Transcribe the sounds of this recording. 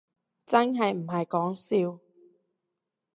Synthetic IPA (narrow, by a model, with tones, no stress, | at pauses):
t͡sɐ˥nɦɐ˨jm̩˨˩ɦɐ˨jkɔː˨˥ŋsiː˧w